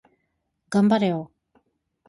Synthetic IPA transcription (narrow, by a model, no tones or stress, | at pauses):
ɡambaɾejo